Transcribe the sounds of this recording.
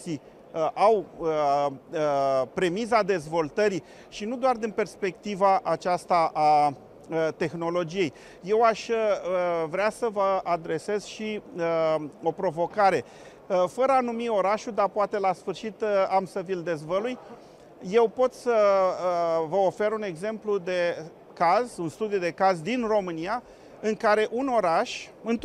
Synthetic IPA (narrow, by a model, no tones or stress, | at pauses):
si | ʔaw | pɾe̞mizad̪e̞zvo̞lt̪əɾi | ʃinud̪oard̪inpe̞rspe̞k̚t̪ivaʔat͡ʃast̪aʔa | t̪e̞xno̞lo̞d͡ʒije̞j | je̞waʃʲ | vɾeasəvəad̪ɾe̞se̞z̥ʃiəo̞pɾo̞vo̞kaɾe̞ | fəɾəanumio̞ɾaʃud̪apoat̪e̞lasfɨrʃit̪amsəvild̪e̞zvəluj | je̞wpo̞t̪sə | vəo̞fe̞ɾune̞ɡze̞mplud̪e̞ | kazunst̪ud̪ijud̪e̞kazd̪inro̞mɨnia | ɨŋkaɾe̞ʔuno̞ɾaʃɨnt̪